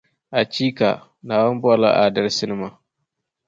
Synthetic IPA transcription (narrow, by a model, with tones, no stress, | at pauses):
ʔa˨t͡ʃiː˦ka̰˨ | naː˨wɐ˦mbɔ˦˨la̰˦ʔa̰˨dɐ˦rsɪ˦nɪ˦ma˨